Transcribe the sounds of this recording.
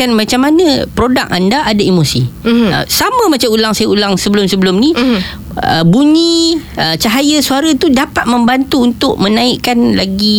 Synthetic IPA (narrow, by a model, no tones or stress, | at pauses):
anmat͡ʃamːanãpɾoda̰k̚andaʔadaimosiə̰samə̃mat͡ʃamulaŋsajaulaŋsəbəlʊmsəbəlʊmni | ə̰buɲĩət͡ʃaɦajasuaɾat̪udapat̪̚mə̃mbant̪uːnt̪ʊʔ̚mə̃nãiʔkanla̰ɡi